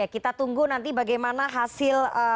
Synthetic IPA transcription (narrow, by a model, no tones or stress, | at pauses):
akit̪at̪uŋɡunant̪ibaɡajmanaɦasɪlə